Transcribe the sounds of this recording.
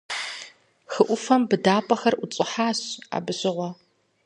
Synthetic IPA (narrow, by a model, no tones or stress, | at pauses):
xɨʔʷʊfɐmbɨdaːpʼɐxɐrʊt͡sʼɪħaːɕa̰ːbɨɕɪʁʷɔ